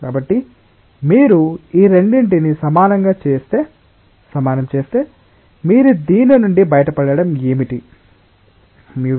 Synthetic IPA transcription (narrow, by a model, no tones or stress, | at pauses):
kaːbɐʈːi | miːɾuiːɾe̞ɳɖiɳʈinisɐmaːnɐŋɡaːt͡ʃeːst̪eː | sɐmaːnɐmt͡ʃe̞ːst̪e̞ː | miːɾud̪iːnɐnuɳɖibɐjɐʈɐpɐɽɐɽɐme̞ːmiʈi | miː